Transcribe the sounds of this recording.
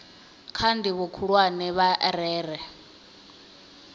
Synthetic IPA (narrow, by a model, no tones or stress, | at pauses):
kʰandiβɔkʰuɺwanɛβaɾɛːrɛ